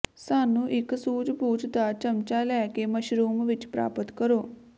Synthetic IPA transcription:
saːnuʔɪksuːd͡ʒbʱuːd͡ʒt̪at͡ʃəmt͡ʃalɛkeməʃɾuːmʋɪt͡ʃpɾa̰ːpət̪kəɾoː

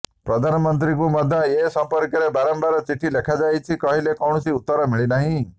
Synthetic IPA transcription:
pɾɔd̪ʱanɔmɔnt̪̬ɾikumɔd̪ʱːaesɔmpɔɾkɔɾebaɾɔmbaɾɔt͡ʃiʈʰːilekʰad͡ʒajt͡ʃʰikɔɦilekɔwɳ̃ɔsiut̪ːɔɾɔmiɭinaɦĩ

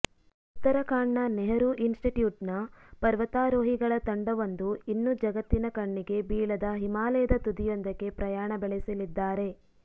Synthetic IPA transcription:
uut̪ːɐɾɐkaːɳːɐneɦɐɾuʔinsʈiʈjuːʈnɐpɐɾʋɐt̪aːɾoːɦiɡɐɭɐt̪ɐɳɖɐʋɐnd̪uinːud͡ʒɐɡɐt̪ːinɐkɐɳːiɡe̞biːɭɐd̪ɐɦimaːlɐjɐd̪ɐt̪ud̪ijond̪ɐɡe̞pɾɐjaːɳɐbeɭesɐlid̪ːaːɾe̞

